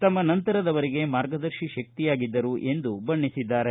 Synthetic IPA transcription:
t̪ɐmːɐnɐnt̪ɐɾɐd̪ɐʋɐɾiɡe̞maːɾɡɐd̪ɐɾʃiʃɐk̚t̪ijaːɡid̪ːɐɾuʔe̞nd̪ubɐɳːisid̪ːaːɾe̞

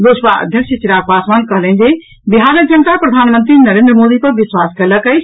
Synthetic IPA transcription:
losʋaə̰d̪ʱjəksjət͡ʃiɾaːk̚ʋaːsmaːnkəɦlẽnd͡ʒe | biɦaːɾək̚d͡ʒənət̪apɾɐd̪ʱaːnmə̃nt̪ɾinəɾẽːnd̪ɾəmoːd̪ipəɾʋɪswaːskələkəjt͡ʃʰ

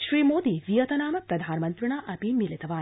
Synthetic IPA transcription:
ʃɾiːmoːd̪iʋijɐt̪ɐnaːmɐpɾɐd̪ʱaːnɐmɐnt̪ɾɪɳaːʔɐpimilit̪ɐʋaː

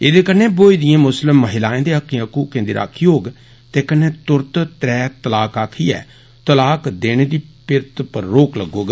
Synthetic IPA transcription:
eːd̪eːkəneːboːid̪ɪjãːmʊslɪmːəɦɪlaːẽːd̪eːəkːĩəkuːkẽnd̪iɾa̰ːkʰːiːoːɡ | t̪eːkənːeːt̪ʊɾt̪t̪ɾɛːt̪əlaːkaːkʰiːɛ̰ː | t̪əlaːkd̪eːɽ̃eːd̪iːpɪɾt̪pəɾːoːkləɡoːɡ

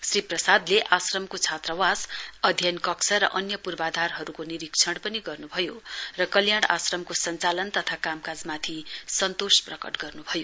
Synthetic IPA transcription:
sriprʌsad̪leʔasrʌmkot͡sʰat̪rʌwasʌd̪ʱjʌnkʌksʌɾʌ̰ʔʌnjʌpurbad̪ʱarɦʌɾukoniɾikt͡sʰʌɽpʌniɡʌrnubʱʌjorʌkʌljaɽ̃a̰srʌmkosʌnt͡salʌnt̪ʌt̪ʰakamkad͡zmat̪ʰisʌnt̪osprʌkʌ̰ʈɡʌrnubʱʌjo

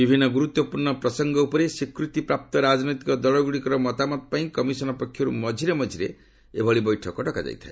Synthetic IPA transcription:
bibʱinːɔɡuɾut̪wɔpuɾɳɔpɾɔsɔŋɡɔupɔɾesikɾut̪ipɾap̚t̪ɔɾad͡ʒnɔjt̪ikɔd̪ɔɭɔɡuɽikɔɾɔmɔt̪amɔt̪̚paĩkɔmisɔnɔpɔkʰːjɔɾṵmɔd͡ʒʱiɾemɔd͡ʒʱiɾḛ | ebʱɔɭibɔjʈʰɔkɔʈɔkad͡ʒa̰jt̪ʰae

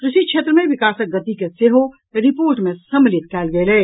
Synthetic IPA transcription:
kɾɪʃit͡ʃʰeːt̪ɾəmẽʋɪkaːsək̚ɡːət̪ikeseɦo | ɾɪpoːɾʈmẽsəmlɪt̪kɛːlɡelɛː

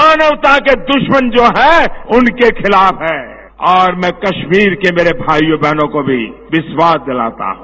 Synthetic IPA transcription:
maːnəwt̪aked̪ʊʃmənd͡ʒoːɦɛʊnkekʰɪlaːpɦɛː | ɔːɾmɛ̃kɐʃmiːɾkemeːɾebʱaːjobɛɦnõkobʱiʋɪswaːsd̪ɪla̰ːt̪a̰ɦũː

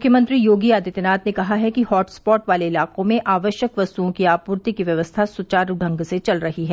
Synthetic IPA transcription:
ʊmkʰjəmə̃nt̪ɾijoːɡiaːd̪ɪt̪ɪnaːt̪nekɐɦaɦɛkihɔːʈspɔːʈʋaːleɪlaːqõmẽʔaːʋəʃjəkʋɐst̪uõkiaːpuːɾt̪ikiʋjɐʋəst̪ʰasʊt͡ʃaːɾuɖʱə̃ŋɡset͡ʃɐlɾɐɦiɦɛː

